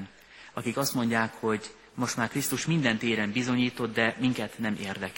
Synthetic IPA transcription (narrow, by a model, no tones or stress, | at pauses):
n | ɒkikɒst̪mo̞ɲɟaːkho̞ɟ | mo̞ʃt̪maːrkrist̪uʃmind̪ɛnt̪eːɾɛmbizo̞ɲiːt̪o̞d̪d̪ɛmiŋkɛt̪nɛmʔeːrd̪ɛk